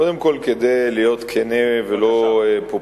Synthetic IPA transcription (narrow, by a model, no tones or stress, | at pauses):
od̪emko̞lked̪ejlijo̞t̪kʰeneveloepo